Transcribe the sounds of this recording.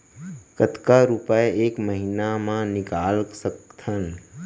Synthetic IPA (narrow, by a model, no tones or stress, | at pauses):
kət̪kaɾupəeeːkməɦinamãnɪkaːlsəkt̪ʰən